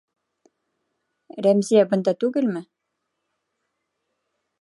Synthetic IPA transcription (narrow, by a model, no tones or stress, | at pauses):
ɾæmzijæbɤ̆nd̪ɑt̪ʉɡɘlmɘ